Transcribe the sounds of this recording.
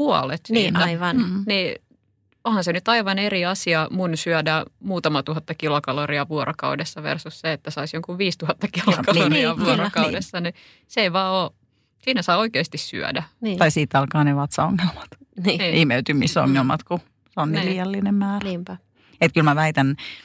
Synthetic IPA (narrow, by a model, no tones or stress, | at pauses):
puɑ̰let̪siːnːæiʋɑnni | ohɑnsenyt̪ɑiʋɑneriɑsiɑmunsyœdæmuːt̪ɑmɑt̪uhɑt̪ːɑkilokɑloriɑʋuoɾokɑ̰udesːɑʋḛrsusseet̪ːæsɑisjoŋkuʋʋiːst̪uhɑt̪ːɑkilokɑloriɑʋuorokɑudesːɑni | seiʋɑːoː | siːnæsɑːoikeːst̪issy̰ø̰dænːɑisiːt̪ːɑlkɑːneʋɑt̪sɑoŋːelmɑ̥t̪nːnːimeyt̪ymiso̰ŋːelmɑt̪ku | seonnliːjɑlːinemmæːrniːmpæ | et̪kylmæʋæit̪æn